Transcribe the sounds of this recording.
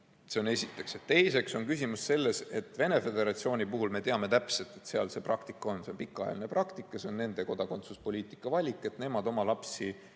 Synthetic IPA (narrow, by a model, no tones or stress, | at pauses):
se̞o̞ne̞sit̪ːˑe̞kse̞t̪t̪ːe̞jse̞kso̞nkysimusse̞lːe̞se̞t̪ːˑve̞ne̞fe̞d̪e̞ɾɑt̪sio̞ːnʲipuɦulme̞t̪eɑme̞t̪æpse̞lt̪ːˑe̞t̪seɑlse̞ːprɑkt̪ikːˑɑo̞nse̞o̞npikːˑɑjɑ̰line̞prɑkt̪ikːˑɑse̞o̞nne̞nd̪̥e̞ko̞d̪ɑko̞nt̪suspo̞lʲiːt̪ˑi̥kːˑɑvɑlʲikˑːe̞t̪ne̞mɑd̪̥o̞mɑlɑpsi